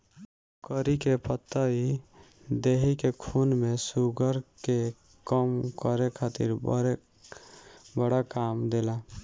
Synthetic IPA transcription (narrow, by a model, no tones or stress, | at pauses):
kəɾikepət̪ːəi | d̪eɦikekʰunmesuɡəɾke | kəmkəɾekʰaːt̪ḭɾ | bəɽakaːmd̪ela